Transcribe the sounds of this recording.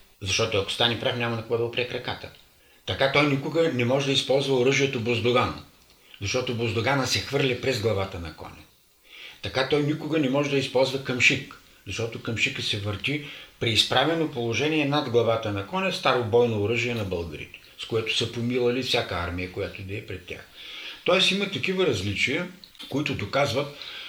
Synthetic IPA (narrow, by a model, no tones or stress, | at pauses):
zɐʃt̪ɔt̪ʊɐko̥st̪anɛpɾafnʲamɐnɐkovɔd̪əʊpɾiɛkɾɐkat̪ə | t̪ɐkat̪ɔjnikʊɡənɛmɔʒɛd̪ɐispɔlˠzvɐʊɾəʒiɛt̪obozd̪oɡan̰ | zɐʃt̪ɔt̪obozd̪oɡanəsɛxvɤɾlʲɛpɾɛzɡlˠɐvat̪ənɐkɔ̰nʲɐ̰ | t̪ɐkat̪ɔjnikʊɡɐnɛmɔʒɛd̪ɐispɔlˠzvɐkɐmʃik | zɐʃt̪ɔt̪ʊkɐmʃikəsɛvəɾt̪ʲipɾiːspɾavɛnopolˠoʒɛniɛnad̪ɡlˠɐvat̪ənɐkɔnʲɛst̪aɾobɔjnoːɾəʒiɛnɐbɤlˠɡəɾḭt̪ɛ̥skoɛt̪ʊ̥səpomilˠəlifsʲakəa̰ɾmijəkojat̪ʊd̪ɛːpɾɛt̪ʲːa̰xt̪ɔɛsimət̪ɐkivəɾɐzlit͡ʃijəkoit̪ʊd̪okazvət̪